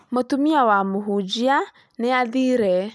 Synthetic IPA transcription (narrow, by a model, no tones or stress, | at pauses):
motumiawamuɦud͡ʒia | neaðiɾɛ